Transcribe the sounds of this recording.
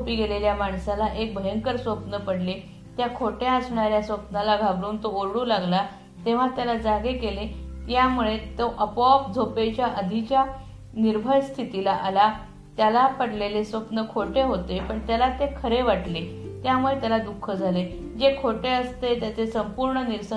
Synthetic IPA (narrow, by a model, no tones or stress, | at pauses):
opiɡeleljamaɳsalaʔek̚bʱəjəŋkəɾsʋəpnəpəɽle | t̪jakʰoʈeəsɳaɾjasʋəpnalaɡʱabɾuːnt̪ooɾɽuːlaɡla | t̪eʋ̤at̪jalad͡zaɡekelet̪jamuɭet̪oʔəpɔpd͡zʱopet͡ɕjaʔəd̪ʱit͡ɕja | niɾbʱəjst̪ʰit̪ilaʔala | t̪jalapəɽlelesʋəpnəkʰoʈeɦot̪epəɳt̪jalat̪ekʰəɾeʋaʈle | t̪jamuɭet̪jalad̪ukʰːəd͡zʱale | d͡ʑekʰoʈeəst̪et̪jat͡sesəmpuɾɳəniɾsə